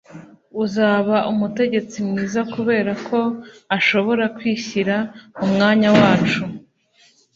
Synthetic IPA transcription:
uzaːβaʔumute̞ɟe̞t͡simŋiːzakuβe̞ːɾakʰo̞aʃo̞βo̞ɾakwiːçiɾaumŋaːɲawaːt͡ʃu

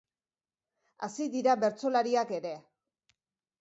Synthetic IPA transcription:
a̰siðiɾaβe̞ɾt͡so̞laɾiake̞ɾe̞

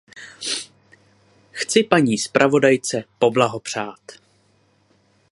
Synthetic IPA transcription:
xt͡sɪpaɲiːspɾʔavo̞dajt͡sɛpo̞blaɦo̞pr̝̥aːt̪

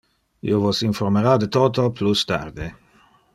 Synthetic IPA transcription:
ḭovosinformeɾad̪ət̪ot̪oplust̪a̰rd̪e

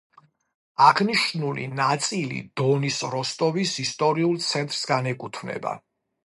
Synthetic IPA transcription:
aʁniʃnulḭnat̪sʼilḭd̪̥ɔnisɾɔst̪ʼɔvisist̪ʼɔɾiulˠt̪sʰɛnt̪ʼɾsɡanɛkʼut̪ʰvnɛ̰ba̰

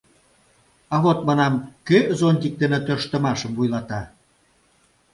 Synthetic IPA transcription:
ɑβot̪mɑnɑmkøzonʲt̪ʲik̚d̪ə̆nĕt̪ørʃt̪ə̆mɑʃə̆mvujlɑt̪ɑ

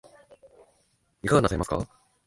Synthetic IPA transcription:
ikaɡanasaɾimasɨ̥ka̰

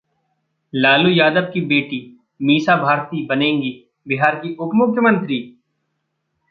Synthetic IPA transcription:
laːluːjaːd̪əb̚kibeːʈiː | miːsabʱaːɾt̪iːbənẽːŋɡiː | bɪɦaːɾkiʊkmʊkʰjəmə̃nt̪ɾiː

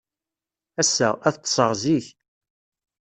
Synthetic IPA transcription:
æsːææθt̪ˤːsˤəʁziç

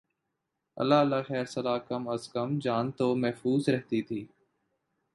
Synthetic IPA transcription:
ə̰lːaːəlːaːxɛːɾsəlaːkəmɐzkəmd͡ʒaːnt̪oːmɛɦfuːzɾɛɦt̪it̪ʰiː

